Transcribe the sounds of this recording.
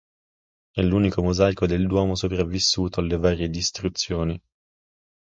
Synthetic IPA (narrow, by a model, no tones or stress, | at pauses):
ɛlːuːnikomozajkod̪eld̪wɔːmosopɾavːisːuːt̪oalːevaːɾjed̪ist̪ɾut̪sːjoːni